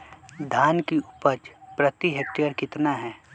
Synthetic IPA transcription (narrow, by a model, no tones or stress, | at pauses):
d̪ʱaːnkiupəɾd͡ʒpɾət̪iɦek̚ʈijəɾkɪt̪naɦɛː